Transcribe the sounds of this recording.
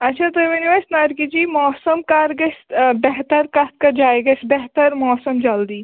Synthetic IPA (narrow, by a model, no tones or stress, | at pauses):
ɐtːʃʰat̪oʋɐniʋasnaːɾkid͡ʒiːmɔːsəmkaːɾɡɐsbɛɦt̪əɾkat̪kɐd͡ʒaːeɡɐsbɛɦt̪əɾmɔːsəmd͡ʒɐld̪iː